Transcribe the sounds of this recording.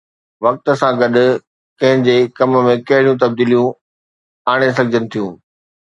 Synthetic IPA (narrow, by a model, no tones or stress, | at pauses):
ʋɐk̚t̪ə̆sãɡɐɗʊ̆ | kɐ̃ɦɪ̃d͡ʑeːkɐmmẽkɐɦɪɽijũt̪ɐb̚d̪iːlijũ | aːɽ̃es̬ɐɡʱɪd͡ʑənɪ̆t̪ʰijũː